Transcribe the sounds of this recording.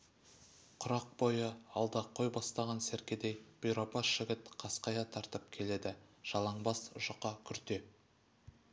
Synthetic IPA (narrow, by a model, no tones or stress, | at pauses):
qʰʊɾɑq̚bo̞jəɑlˠd̪ɑqʰːo̞jbɑst̪ɑʁɑnsæɾkʲed̪ejb̥ʊjɾɑpɑsʒɪɡʲɪt̪qʰɑsqɑjɑt̪ʰɑɾt̪əp̚kʲʰe̞le̞d̪ɪʒ̥ɑlˠɑɴbɑsʊʒəqɑkʲʰʏɾt̪e̞